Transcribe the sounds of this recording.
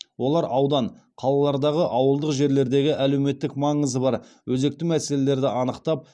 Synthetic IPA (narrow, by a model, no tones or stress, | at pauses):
wo̞lˠɑɾʔɑwd̪ɑɴ | qʰɑlˠɑlˠɑɾd̪ɑʁəʔɑwəlˠd̪əqʒe̞ɾle̞ɾd̪e̞ɡʲɪʔæle̞wme̞t̪ːɪkmɑɴəzəbɑɾ | wɵze̞k̚t̪ɪmæse̞le̞le̞ɾd̪ɪʔɑnəqt̪ɑp̚